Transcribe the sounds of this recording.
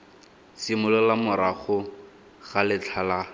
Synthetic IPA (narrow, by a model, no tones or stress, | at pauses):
simʊlɔlamʊɾaχʊ | ɣalɪt͡ɬʰala